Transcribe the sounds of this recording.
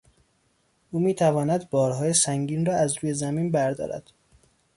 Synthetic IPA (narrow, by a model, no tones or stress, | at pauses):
ʔuːmiːt̪ʰævɒːnæd̪bɒːɾɦɒːjesæŋɟiːnrɒːæzɾuːje̞zæmiːnbæɾd̪ɒ̰ːɾæ̰d̪̥